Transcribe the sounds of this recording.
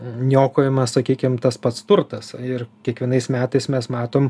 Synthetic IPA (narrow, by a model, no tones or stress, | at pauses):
nʲoːkoːjɪmɐssɐkʲiːkʲɪmt̪ɐspɐt̪st̪ʊrt̪ɐsɪrkʲiɛkʋʲiɛnɐɪsmʲæːt̪ɐɪsmʲɛsmɑːt̪oːm